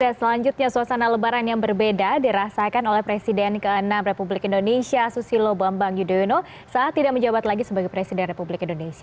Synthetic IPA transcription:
dasəlaɲd͡ʒut̪̚ɲasuasanaləbaɾanjaŋbərbedadiɾasakanolɛhpɾesidɛnkəənamrepublɪkindonesiasusilobambaŋjudouno | saat̪ːidaʔməɲd͡ʒabat̪laɡisəbaɡajpɾesidɛnrepublɪkindonesia

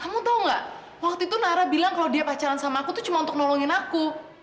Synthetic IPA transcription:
kamut̪auŋɡaʔ | wak̚t̪uit̪unaɾahbilaŋkalowdiapat͡ʃaɾansamaːkut̪ut͡ʃumaunt̪ʊk̚nɔlɔŋɪnaku

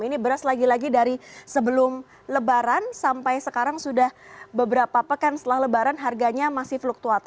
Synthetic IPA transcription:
inibəɾaslaɡilaɡidaɾisəbəlʊm | ləbaɾansampajsəkaɾaŋsudahbəbəɾapapəkansət̪əlahləbaɾanɦarɡaɲamasɪhflʊk̚t̪uat̪

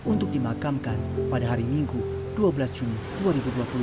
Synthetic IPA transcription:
unt̪ʊk̚dimakamkanpadaɦaɾimiŋɡu | duabəlasd͡ʒuni | duaɾibuduapulu

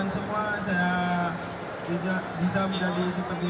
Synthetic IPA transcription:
ansəmuasaja | d͡ʒidaʔbis̬aməɲd͡ʒadisəpərt̪i

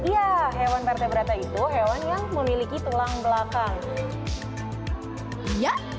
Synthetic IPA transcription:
iaɦewanp̪art̪abəɾat̪ait̪uɦewanjaŋməmilikit̪ulaŋbəlakaŋ | jaʔ

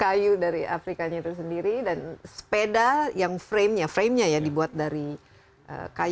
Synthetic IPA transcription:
kajudaɾiʔa̰fɾikaɲat̪us̬əndiɾidanspedajaŋfɾemɲafɾemɲajaŋdibuat̪̚daɾi | ʔə̰kaj

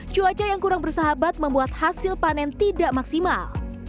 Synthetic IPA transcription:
t͡ʃuat͡ʃajaŋkuɾaŋbərsaɦabat̪̚məmbuat̪̚hasɪlpanɛnt̪idaʔmaksima̰l

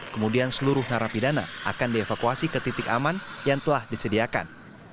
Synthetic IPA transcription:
kəmudiansəluɾʊhnaɾapidana̰a̰kandiefakuasikət̪it̪ɪkamanjaŋt̪əlahdisədiaka̰n

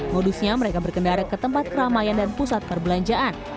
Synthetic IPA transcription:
modusɲaməɾekabərkəndaɾakət̪əmpat̪̚kəɾamajandanpusat̪̚pərbəlaɲd͡ʒaʔːn

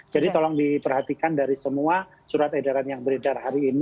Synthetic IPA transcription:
d͡ʒadit̪ɔlɔŋdipərhat̪ikandaɾisəmua | suɾat̪edaɾanjaŋbəɾedarhaɾiːni

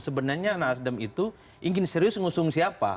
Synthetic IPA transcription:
səbənarɲanasdəmit̪u | ʔiŋɡɪnseɾiʊsŋusʊŋsiapa̰

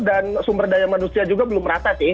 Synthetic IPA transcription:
dansumbərdajamanusiad͡ʒuɡabəlʊmɾat̪asɪh

